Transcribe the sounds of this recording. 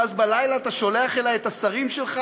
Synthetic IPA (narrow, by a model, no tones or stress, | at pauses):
azbalajlaːt̪aʃo̞le̞aχelajet̪asaʁimʃelχa